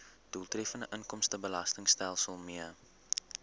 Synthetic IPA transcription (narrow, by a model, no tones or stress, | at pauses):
d̥ulˠtrɛfəndəʔənkɔmstəbəlɐstəŋstælˠsəlˠmiə